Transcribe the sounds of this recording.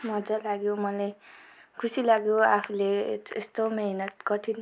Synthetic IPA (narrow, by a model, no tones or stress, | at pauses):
mʌd͡zalaɡjomʌlajkʰusilaɡjoapʰuleest̪omeinʌkʌʈʰin